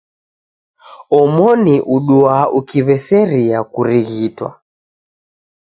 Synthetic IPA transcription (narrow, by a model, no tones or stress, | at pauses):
ɔmɔniʔuɗuaukiβɛsɛɾiakuɾiɣitwa̰